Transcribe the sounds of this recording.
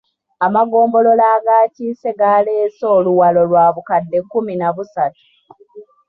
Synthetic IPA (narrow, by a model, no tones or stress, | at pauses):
amaɡo̞ːmbo̞lo̞laːɡaːciːse̞ɡaːle̞ːso̞ːluwalo̞lwaːβukadːe̞kːuminaβusatu̥